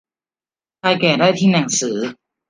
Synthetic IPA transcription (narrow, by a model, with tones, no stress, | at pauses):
kʰaː˧jkɛː˨˩daː˥˩jt̪ʰiː˥˩na˩˦ŋsɯː˩˦